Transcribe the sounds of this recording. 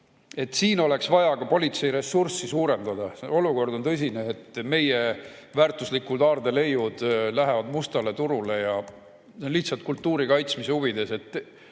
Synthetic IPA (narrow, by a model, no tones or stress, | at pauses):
e̞t̪ːˑsiːno̞le̞ksvɑjɑkɑpo̞lʲit̪se̞jɾe̞sursisuːɾe̞nd̪̥ɑd̪ɑo̞luko̞rd̪ont̪ɤs̬ʲineːt̪ːˑme̞jevæːrt̪ˑuslikːˑuld̪ɑːrd̪e̞le̞jːud̪̥læɦe̞vɑd̪must̪ɑle̞t̪uɾule̞jɑ | enliht̪sɑlt̪̚kult̪ːuːɾikɑjt̪smise̞uvid̪̥e̞se̞t̪ːˑ